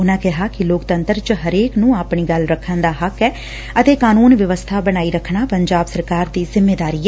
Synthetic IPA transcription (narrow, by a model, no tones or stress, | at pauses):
ʊnãːkɪɦaːkɪloːkt̪ənt̪əɾt͡ʃəɦəɾeːknũːaːpɳiːɡəlɾəkʰːənd̪aːɦəkːɛː | ət̪eːkaːnuːnʋjəʋəst̪ʰaːbəñaːiːɾəkʰɳaːpəɲd͡ʒaːbsəɾkaːɾd̪iːzɪmːeːd̪aːɾiːɛː